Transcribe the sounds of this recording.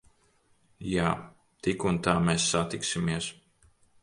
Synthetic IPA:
jaː | t̪ikunt̪aːmɛsːat̪iksimiɛs

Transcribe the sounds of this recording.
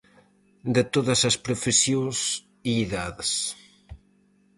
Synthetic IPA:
d̪et̪oðɐsɐspɾofesjos | iiðaðɪs

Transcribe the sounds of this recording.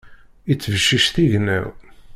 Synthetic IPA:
it͡sːəvəʃːiʃθiʝnæ̰w

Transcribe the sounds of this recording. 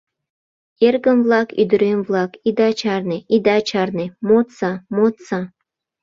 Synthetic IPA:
erɡə̆mvlˠɑkyd̪ə̆ɾemvlˠɑkid̪ɑt͡ɕɑrneʔid̪ɑt͡ɕɑrnĕmot̪sɑmot̪sɑ

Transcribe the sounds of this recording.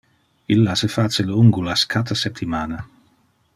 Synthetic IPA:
ilːasefat͡ʃeluŋɡulaskʰat̪asɛp̚t̪imaːna

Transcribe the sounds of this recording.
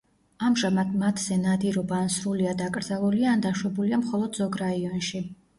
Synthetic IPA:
amʒamad̪mat̪ʰz̥ɛnad̪iɾɔbaːnsɾuliad̪akʼɾd̪zalˠuliaːnd̪aʃwɛbuliamχɔlˠɔd̪zɔɡɾaiɔnʃi

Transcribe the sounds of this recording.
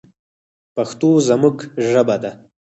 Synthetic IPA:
paxt̪ozamuɡʒəbad̪a

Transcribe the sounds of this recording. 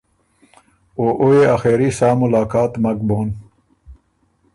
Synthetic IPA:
oʔoeaxeːɾisaːmulaːkaːt̪mɐkboːn

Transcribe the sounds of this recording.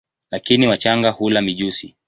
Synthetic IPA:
lakiniwat͡ʃaŋɡahulamiʄusi

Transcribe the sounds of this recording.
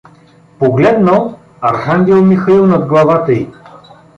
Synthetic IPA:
poɡlɛd̪nəlˠ | ɐɾxaŋɡʲɛlˠmixɐilˠnɐd̪ɡlˠɐvat̪əi

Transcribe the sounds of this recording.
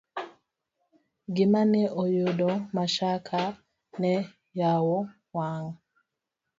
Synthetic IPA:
ɡimanɛʔojodɔmaʃakʰa | nɛ | jawo | waŋ

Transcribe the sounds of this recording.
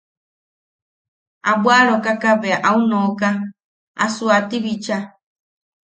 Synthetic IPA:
abwaɾokakaβeaʔaunoka | a̰suat̪iβit͡ʃa

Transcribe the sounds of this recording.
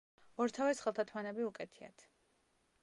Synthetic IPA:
ɔɾt̪ʰavɛsχɛlˠt̪ʰat̪ʰmanɛbiukʼɛt̪ʰia̰t̪ʰ

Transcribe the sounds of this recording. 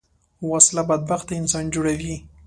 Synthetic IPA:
wɑslabad̪̚baxt̪aɪnsɑnd͡ʒoɽawi

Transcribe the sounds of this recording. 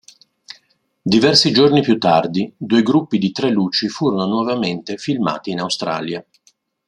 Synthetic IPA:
d̪ivɛrsid͡ʒornipjut̪ːard̪id̪uːeɡɾupːid̪it̪ɾɛluːt͡ʃifuːɾononwɔvament̪efilma̰ːt̪iːnawst̪ɾa̰ːlja

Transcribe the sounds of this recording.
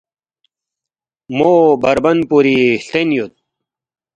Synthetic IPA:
mobɐɾbɐnpuɾiɬt̪enjut̪̚

